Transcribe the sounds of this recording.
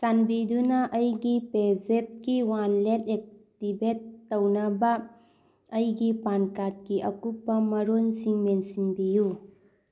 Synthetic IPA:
sanbidunɐʔːjɡipezep̚kiwanletek̚tibetːɐwnɐbɐː | jɡipankat̚kiʔɐkupːɐmɐɾonsiŋmensinbiju

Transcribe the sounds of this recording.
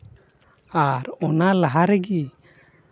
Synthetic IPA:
aɾɔnalaɦaɾɛɡi

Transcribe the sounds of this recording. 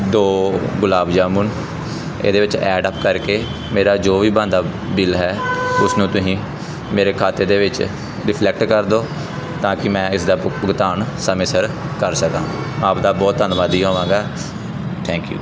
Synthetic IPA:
d̪oːɡʊlaːbd͡ʒaːmun | ḛːd̪eːʋɪt͡ʃɛːɖəpkəɾkeː | meːɾaːd͡ʒoːʋiːbãːnd̪aː | bɪlɦɛːʊsnũːt̪ʊsĩː | meːɾeːkʰaːt̪eːd̪eːʋɪt͡ʃ | ɾɪpʰlɛk̚ʈkəɾd̪oː | t̪ãːkɪmɛ̃ːɪsd̪aːpʊɡt̪aːnsəmeːsəɾkəɾsəkãː | aːpd̪aːbɔːt̪ənʋaːd̪iːɦoːʋãːɡaː | t̪ʰɛ̃ːŋkjṵː

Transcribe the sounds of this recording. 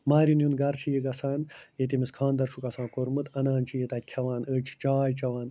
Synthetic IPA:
maːɾinjunɡɐɾt͡ʃʰijiɡɐsaːnjet̪̬imiskʰãːnd̪ɐɾʂʰukɐsãːkoɾmɨt̪ɐnaːnt͡ʃʰijet̪ɐt̪̚ʲkʲʰɐʋaːnət͡ʃʰt͡ʃaːjt͡ʃɐʋaːn

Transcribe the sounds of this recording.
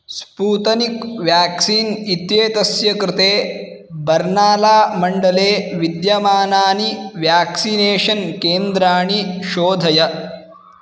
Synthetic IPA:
spuːt̪ɐnikʋjaːksiːnit̪jeːt̪ɐsjɐkɾɪt̪eː | bɐɾnaːlaːmɐɳɖɐleːʋid̪jɐmaːnaːniʋjaːksineːʃɐnkeːnd̪ɾaːɳiʃoːd̪ʱɐjɐ

